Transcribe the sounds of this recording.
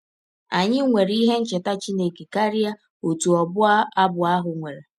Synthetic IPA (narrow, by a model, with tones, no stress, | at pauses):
a˨ɲɪ˦ŋʷe˨ɾi˦ɦe˦n̩˦t͡ʃɪ˨ta˦t͡ʃi˦ne˨ke˨ka˦ɾi˦a˦ | o˨tu˨ɔ˨bʊ˦a˦a˦bʊ˨a˦ɦʊ˨ŋʷe˨ɾe˨